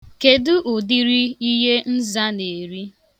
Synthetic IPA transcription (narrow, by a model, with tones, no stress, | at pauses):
ke˨dʊ˦ʔʊ˨di˦ɾi˦i˦ɦe˦n̩˦za˦ne˨ɾi˦